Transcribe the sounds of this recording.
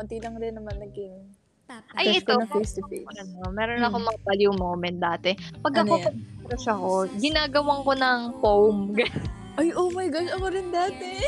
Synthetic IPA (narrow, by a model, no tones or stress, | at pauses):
mɐt̪iːlɐŋɾɪnːɐmɐnːɐɡɪ | ʔɐjɛt̪oɐist̪ɪeɐnomɛːɾonɐkomɐŋɐbaljumoːmɛn̚d̪aːt̪ɛpɐɡɐkopɐɡ̚iɾɐʃɐɐko̞ɡɪnaːɡɐwɐŋko̞nɐŋpowmɡɐj | ʔɐjʔomɐjɡoʃɐkoɾɪnd̪aːt̪ɛ